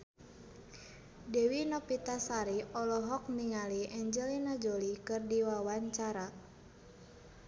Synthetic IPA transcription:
dɛwinɔpit̪asaɾiɔlɔɦɔk̚niŋaliʔɛɲd͡ʒɛlinad͡ʒolikɨrdiwawaɲt͡ʃaɾa

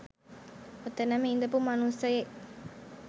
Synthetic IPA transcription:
ot̪ːenɐmeind̪ɐpumɐnusɐjeʔ

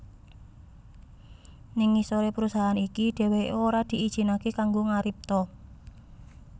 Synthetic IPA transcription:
niŋːisoɾepəɾusaɦanikiɖ̪̥ɛ̤weoɾad̪̥i̤ʔid̥ʒ̥i̤nakekaŋɡoŋaɾip̚t̪ɔ

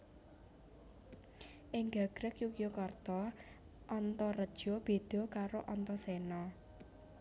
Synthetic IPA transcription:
ʔɪŋɡa̤ɡ̥ɾəkjukjokɔrt̪ɔ | ʔːnt̪ɔrəd̥ʒ̥ɔb̥e̤d̪̥ɔ̤kaɾoʔɔnt̪ɔsɛnɔ

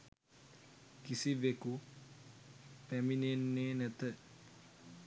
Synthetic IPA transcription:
kisiʋeku | pæminenːeːnɛt̪ə

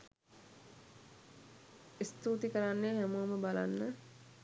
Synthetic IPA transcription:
ist̪uːt̪ikəɾanːeːɦæmuːməbala̰nːə

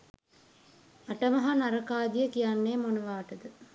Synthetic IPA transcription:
aʈəmɐɦanaɾəkaːd̪ijəkijanːeːmonuʋaːʈəd̪ə

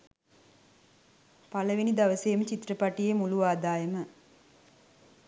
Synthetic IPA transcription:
paləʋenid̪aʋəseːmət͡ʃit̪rəpaʈijemuluʋaːd̪aːjəmə

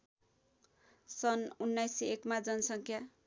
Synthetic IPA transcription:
sʌnunːajsekmad͡zʌnʌsʌŋkʰja

